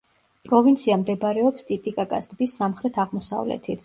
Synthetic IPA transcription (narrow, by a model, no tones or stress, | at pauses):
pʼɾɔvint̪sʰiamd̪ɛbɾɛɔpst̪ʼit̪ʼikʼakʼast̪ʼbisːamχɾɛt̪ʰaʁmɔsa̰vlɛ̰t̪ʰit̪